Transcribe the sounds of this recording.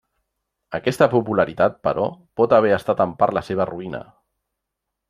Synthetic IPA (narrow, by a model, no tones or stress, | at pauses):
əkɛst̪əpupuləɾit̪at̪̚pə̰ɾɔpɔt̪əβ̞ɛəst̪at̪əmpaɾləseβ̞əruinə̰